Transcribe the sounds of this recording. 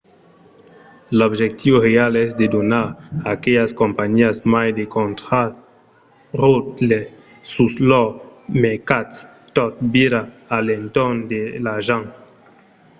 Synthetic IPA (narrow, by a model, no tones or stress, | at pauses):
lobʒek̚t̪ʰiorealɛzd̪ed̪onaɾakeʎaskompaɲiasmajd̪ekont̪ɾa | ɾot̪le | suslɔmekat̪s | t̪ɔt̪̚biɾa | alent̪ɔnd̪elaʒaŋ